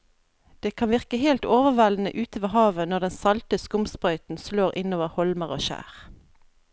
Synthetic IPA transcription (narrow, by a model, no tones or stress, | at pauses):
d̪̥eːkʰɑnʋɪʁkəheːlt̪oːʋəʁʋæln̩ə̰ʔʉːt̪əʋəhɑːʋənɔd̪ɛnsɑlt̪əskʊmspʁœʏt̪n̩sloːʁɪnoːʋəʁhɔlməʁo̰ːʃæ̰ːʁ